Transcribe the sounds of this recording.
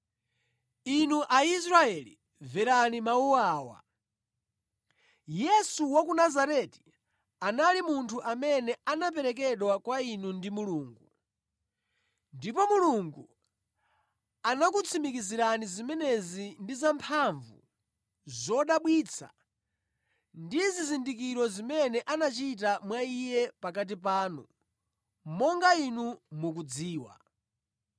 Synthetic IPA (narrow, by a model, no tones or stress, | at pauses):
inuʔais̬ɾaɛlḭ | vɛɾanimauwaːwa̰ | jɛsuwak̬unazaɾɛti̥ | analimuntʰuʔamɛnɛanap̬ɛɾɛk̬ɛɗwakwainundimuluːŋɡu | ndipɔmuluŋɡu | anakut͡sʰimikiziɾanizimɛnɛzindizampʰaɱvṵ | zɔɗaɓwiːt͡sʰa̰ | ndizizindik̬iɾɔzimɛnɛʔanat͡ʃit̬amwaijɛpak̬at̬ipaːnṵ | mɔŋɡainumuk̬ud͡ziːwa̰